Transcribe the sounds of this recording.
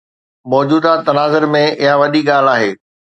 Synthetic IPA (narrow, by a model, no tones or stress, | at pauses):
mɔːd͡ʑuːd̪at̪ɐnaːzəɾmẽɪɦaʋɐɗiɡaːl̤aːɦeː